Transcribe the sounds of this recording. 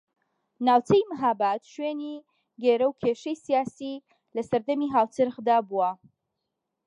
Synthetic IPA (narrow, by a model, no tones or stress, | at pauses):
naːwt͡sʰejmɨɦabat̪ʃweni | ɡeːɾɐwkʰeːʃɛjsijaːsi | lɐsɐɾd̪ɐmiɦaːwt͡sɨɾɣd̪aːbuwɐ